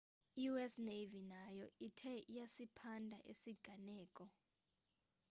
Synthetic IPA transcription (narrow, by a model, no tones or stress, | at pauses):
ijuɛsnevinajɔʔitʰɛjasipʰandʱa̰ʔḛsiɡ̥ʱanɛːkʼɔ